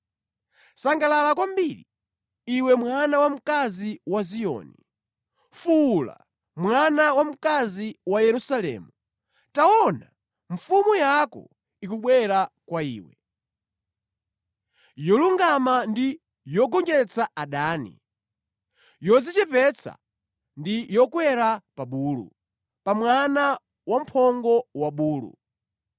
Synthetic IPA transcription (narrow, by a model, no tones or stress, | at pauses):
saŋɡalalakwambiɾi | iwɛmwanawam̩kaziwazijɔ̰ni | fula̰ | mwanawam̩kaziwajɛɾusalɛ̰ːmu | taɔna | ɱfumujakɔ̰ | ikuɓwɛɾakwaḭːwɛ | jɔluŋɡamandi | jɔɡɔŋd͡ʒɛt͡sʰaaɗaːnḭ | jɔd͡zit͡ʃɛpɛt͡sʰa̰ | ndijɔkwɛɾapaɓuːlṵ | pamwana | wam̩pʰɔŋɡɔwaɓuːlṵ